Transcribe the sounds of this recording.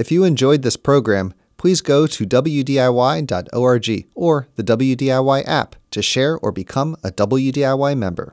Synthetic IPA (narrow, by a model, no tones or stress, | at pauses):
ɨfjɨɨ̃nd͡ʒɔɪd̪̚ðɪspʰɹ̥oʊɡɹæ̃m | pʰl̥izɡoʊɾɨdʌbl̩ˠjʉdiaɪwaɪdɑ̰to̰ʊɑɹd͡ʒḭə˞ðɨdʌbl̩ˠjʉdiaɪwaɪʔæ̰ptʰɨʃɛɹə̰˞bɨkʰʌ̃mədʌbl̩ˠjʉdiaɪwaɪmɛ̰̃mbə̰˞